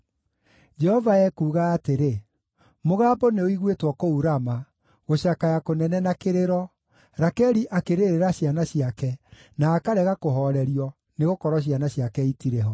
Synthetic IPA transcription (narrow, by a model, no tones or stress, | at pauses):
d͡ʒɛhɔvaɛkuːɣaːteɾe | moɣaːbɔneoiɣwetwɔkouɾama | ɣoɕakajakonɛnɛnakeɾeɾɔ | ɾakɛɾiʔakeɾeɾeɾaɕianaɕiakɛ | naːkaɾɛɣakoɦɔɾɛɾiɔ | neɣokɔɾɔɕ̬ianaɕiakɛitiɾeɦɔ